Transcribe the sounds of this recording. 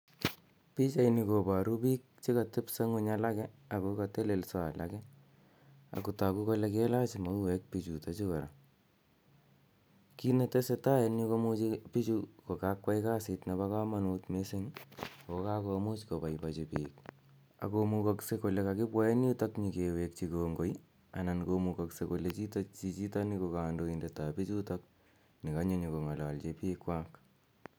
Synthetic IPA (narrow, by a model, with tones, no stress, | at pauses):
pi˦t͡ʃainiko˨pa˨ɾu˦pi˦k̚t͡ʃe˦ka˨tɪ˦pse˦ŋʊ˦ɲala˦kɛa˨kokate˦le˨lsaa̰˨lʔa̰kɛ | a̰˨ku˨ta˨ku˦ko˦lɛke˦la˦t͡ʃima˦u˦wɛk̚pi˨t͡ʃu˨ta˦t͡ʃu˦ka˨ɾa̰˨ | ki˦ne˨te˦se˧ta˦jɛni˦ko˦mu˦t͡ʃipi˦t͡ʃuko˨kakwa˦ɪka˦sɪtna˨ba˦ka˦ma˦nuːtme˦se˦ŋoka˦komu˦t͡ʃkopa˨jpat͡ʃipiːk | a̰˨komukakseko˨lekakɪ˦bwae˦njutakɲikewek̚t͡ʃikoŋɡo˦j | ana˨nkomukoksekolet͡ʃi˦tat͡ʃit͡ʃi˦ta˦nikokaːndoindetapi˦t͡ʃutak̚ | nɪ˨kaɲo˦ɲiko˨ŋa˨lalt͡ʃepikwak